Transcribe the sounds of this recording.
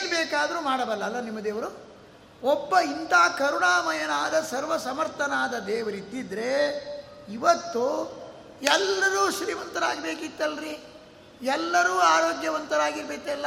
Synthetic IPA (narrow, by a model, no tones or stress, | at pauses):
nbeːkaːd̪ɐɾumaːɽɐbɐlːɐːlːɐnimːɐd̪eːʋɐɾu | ɔbːɐint̪aːkɐɾuɳaːmɐjɐnaːd̪ɐsɐɾʋɐsɐmɐɾt̪ʰɐnaːd̪ɐd̪eːʋɐɾit̪ːid̪ɾe | iʋɐt̪ːu | ɛlːɐɾuːʃɾiːʋɐnt̪ɐɾaːɡbeːkit̪ːɐlɾi | ɛlːɐɾuːaːɾoːɡjɐʋɐnt̪ɐɾaːɡiɾbeːkɛlːɐ